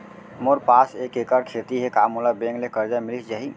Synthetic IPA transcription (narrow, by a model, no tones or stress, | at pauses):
moɾpaːsekekəɾkʰet̪iɦekamulabẽŋɡlekəɾd͡ʒamɪlit͡ʃd͡ʒaɦi